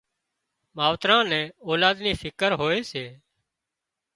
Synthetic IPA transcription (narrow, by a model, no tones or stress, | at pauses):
maːʋt̪ɾãːnɛ̃ːoːlaːd̪niːfʰɪkəɾɦoːeːseː